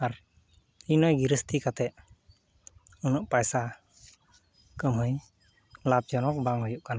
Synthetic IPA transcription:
aɾ | inɔjɡiɾəst̪ʰikat̪ɛʔ | unɔʔpajsa | kəmɦəj | lap̚d͡ʒɔnɔk̚baŋɦujuʔkana

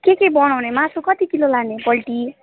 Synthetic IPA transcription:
kekebʌɽ̃awnemãsukʌt̪ikilolanebʌlʈi

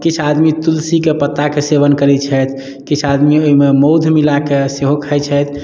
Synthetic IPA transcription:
kit͡ʃʰad̪mit̪ulsikepət̪ːakeseʋənkəɾɛt͡ʃʰɛt̪ʰ | kit͡ʃʰad̪mioɦimemoʊd̪ʱmilakeseɦokʰɛjt͡ʃʰɛt̪ʰ

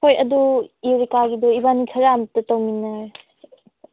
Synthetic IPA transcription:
kʰojɐduiɾikaɡidɔibanikʰɐɾamtɯtɐwminɐɾ

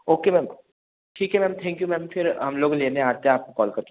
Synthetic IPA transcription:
oːkemɛːm | ʈʰiːkɦɛmɛ̃ːmt̪ʰɛ̃ːŋkjumɛ̃ːmfɪɾɦɐmloːɡleːneaːt̪eaːp̚kokɔːlkɐɾt̪ː

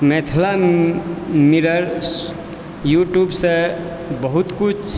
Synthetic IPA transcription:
met̪ʰla | miɾəɾ | juʈjubsə̃ | bəɦut̪kut͡ʃʰ

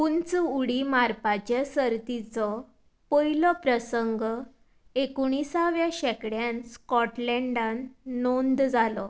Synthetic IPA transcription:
unt͡səuɽimaɾpat͡ɕasəɾt̪it͡sɔ | pəjlɔpɾəsəŋɡ | ekuɳ̃isaʋjaɕɛkɽjanskɔʈlɛɳɖanːond̪d͡zʱalɔ

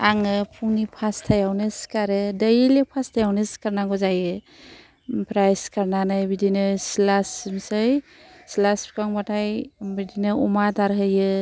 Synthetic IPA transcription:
aŋɯpʰuŋnipʰastʰajawnɯskaɾɯdəjilepʰastʰajawnɯskaɾnaɡɔzajɯ | pʰɾajskaɾnanɯjbidinɯsilasimsɯj | slaspʰi̥kaŋbatʰajbidinɯumadaɾɦɯjɯ

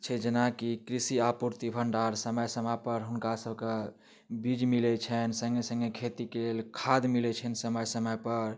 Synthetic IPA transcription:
t͡ʃʰɛd͡ʒenakikɾisiapuɾt̪ibʱəɳɖaɾsəməjsəmapəɾɦunkasəbʱke | bid͡ʒmilɛt͡ʃʰɛnsə̃ŋɡesə̃ŋɡekʰet̪ikelelkʰad̪milɛt͡ʃʰɛnsəməjsəməjpəɾ

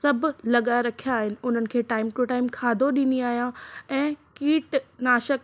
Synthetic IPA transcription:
sɐbʱlɐɠaːɾɐkʰijaːɦɪnɪ̆ʊn̤ənɪ̆kʰeːʈaːɪmʈeʈaːɪmkʰaːd̪ʱoɗĩːniaːɦijãɛ̃ːkiːʈnaːʃək

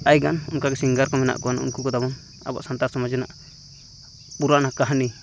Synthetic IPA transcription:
ajɡanṵnkaɡɛsiŋɡaɾkɔmɛna̰ʔkuanṵnkukɔd̪abɔn | a̰ba̰ʔsant̪aɾsɔmad͡ʒɛnaʔ | puɾaʔnakaɦni

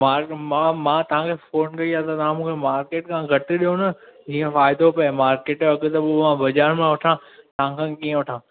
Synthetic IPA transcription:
aːɾmãmãːt̪ɐʋ̤ãkʰeːfoːnkɐiaːt̪ɐt̪ɐɦãmũːkʰemaːɾkeːʈkʰãːɡʱɐʈ̆ɗijonɐd͡ʑiːə̃faːɪd̪opɐmaːɾkeːʈɐɡt̪ɐbʋãbɐd͡ʑaːɾmẽʋɐʈʰãːt̪ɐʋ̤ãkʰãːkiːə̃ʋɐʈʰãː

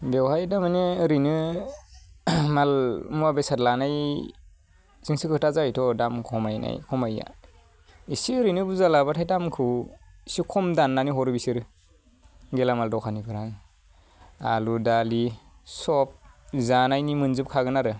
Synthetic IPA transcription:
bewɦajdamaneɾinɯ | malmuabejsatlanaj | z̥iŋsikʰɯtazajtʰɔdamkʰɔmajna̰jkʰɔmaja̰ | isiɾinɯbuzalabatʰajdamkʰuisikʰɔmdanːaniɦɔɾɯbisiɾɯ | ɡelamaldɔwkʰanibʰɯɾaŋ | a̰ludali | sɔp̚zanajnimɯnzɯp̚kʰaɡɯnaɾɯ

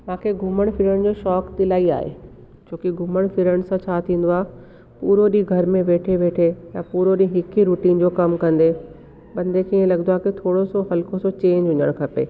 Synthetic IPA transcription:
mãːkʰeɡʱʊməɽ̃fɪɾəɽ̃d͡ʑoːʃɔːkt̪ɪlaːia̰ːɦḛː | d͡ʑʱoːkiɡʱʊməɽ̃fɪɾəɽ̃sãt͡ɕʰaːt̪ʰĩːn̆d̪oaːɦe | puːɾoɗĩːɡʱɐɾmẽʋeːʈʰeʋeːʈʰejapuːɾoɗĩɦɪkʰiɾuːʈiːnd͡ʑoːkɐmkɐ̃nd̪e | ɓɐ̃nd̪ekʰiːẽlɐɡənoaːkit̪ʰoːɽosoɦɐlkosot͡ɕẽːɲd͡ʑʊɲəɽ̃kʰɐpḛː

